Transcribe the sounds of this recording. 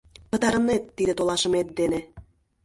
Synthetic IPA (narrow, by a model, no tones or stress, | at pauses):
pə̆t̪ɑɾɤ̆net̪ːid̪ĕt̪olˠɑʃə̆met̪̚d̪enĕ